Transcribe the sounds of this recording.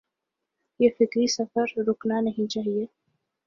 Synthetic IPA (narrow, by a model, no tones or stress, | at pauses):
jefɪkɾisɐfəɾɾʊknanɐɦĩt͡ʃaːɦieː